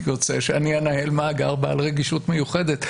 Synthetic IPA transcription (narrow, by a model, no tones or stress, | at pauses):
jot͡seʃeanianahelmaːɡaʁbaalʁeɡiʃutmejuχe̞d̪et̪